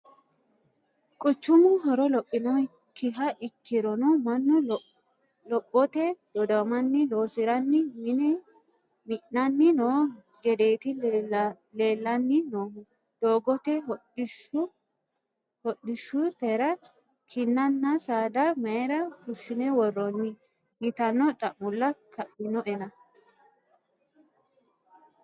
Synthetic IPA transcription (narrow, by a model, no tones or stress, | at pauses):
kʼʊt͡ʃːʊmʊɦɔɾɔlɔpʼːɪnɔ | kːɪɦɐʔɪkːɪɾɔnɔmɐnːʊ | lɔpʼːɔt̪ɛd̪̥ɔd̪ɔmɐnːɪlo̞ːsɪɾɐnːɪmɪnɛ | mɪʔɐnːɪnoː | ɡɛd̪e̞ːt̪ɪ | le̞ːlːɐnːɪnoː | d̪̥oːɡɔt̪ɛʃʊ | hɔɗːɪʃːʊt̪ɛɾɐ | kʰɪnːɐnːɐsaːd̪ɐmɐɛɾɐkʊʃɪnɛwɔrːɔnːɪ | hɪt̪ɐnːɔt̪ʼɐʔʊlːɐkʰɐʔɪnɔʔɛnɐ